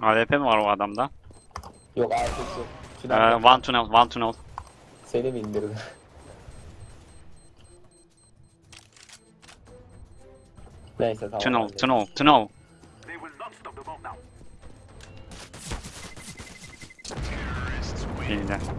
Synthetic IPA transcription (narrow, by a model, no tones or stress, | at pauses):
aːd̪et̪ʰɛmvaɾoad̪amd̪a | jokaɾt̪ʰeksit̪ʰnvant̪ʰunɛlˠvant̪ʰunolˠ | senibind̪iɾd̪ɪ | nejsɛt̪ʰat̪ʰunolˠʰɯnolˠt̪ʰɯnolˠ | ind̪ɛ